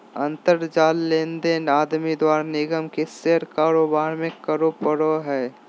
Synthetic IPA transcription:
ə̃nt̪əɾd͡ʒaːlːẽːnd̪eːnaːd̪mid̪waːɾnɪɡəmkeseɾkaːɾoːbaːɾmẽkəɾopəɽoɦɛː

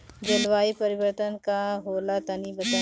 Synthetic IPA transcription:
d͡ʒɐlʋaːipɐɾɪʋəɾt̪ənkaɦoːlat̪ɐnibɐt̪a

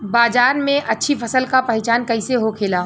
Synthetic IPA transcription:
baːd͡ʒaːɾmẽʔɐtːʃʰipʰɐsəlkapɐɦɪt͡ʃaːnkɐɪseɦokʰeːlaː

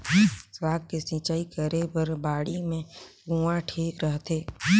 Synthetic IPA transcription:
swaːɡ̚kesɪ̃ːt͡ʃaːikəɾebəɾbaːɽimẽɡũːaʈʰiːkɾəɦt̪ʰeː

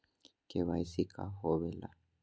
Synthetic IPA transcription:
keβaisikʰa̰hoβela̰

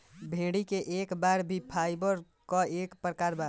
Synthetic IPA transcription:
bʱẽːɽikeʔeːkbaɾbʱipʰaɪbəɾ | kɔeːkpɾəkaːɾbaɾ

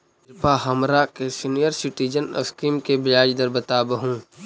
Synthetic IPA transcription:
paɦɐmɾakesinijəɾsɪʈiːd͡ʒənə̰skiːmkebɪlaːd͡ʒd̪əɾbɐt̪aːbəɦũː

